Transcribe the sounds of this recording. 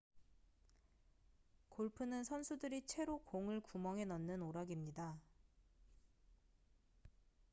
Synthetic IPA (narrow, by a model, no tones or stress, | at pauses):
koɭpʰɯnɯnsʰʌnsʰudɯɾit͡ɕʰwe̞ɾokoŋɯɭkumʌŋɦe̞nʌnːɯnoɾaɡimɲida